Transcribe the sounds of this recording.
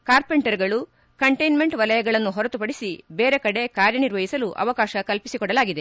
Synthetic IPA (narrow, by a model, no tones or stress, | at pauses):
kaːɾpeɳʈɐɾɡɐɭu | kɐɳʈɐjnme̞ɳʈʋɐlɐjɐɡɐɭɐnːuɦɔɾɐt̪upɐɽisibeːɾe̞kɐɽe̞kaːɾjɐniɾʋɐɦisɐluʔɐ̰ʋɐkaːʃɐkɐlpisikɔɽɐlaːɡid̪e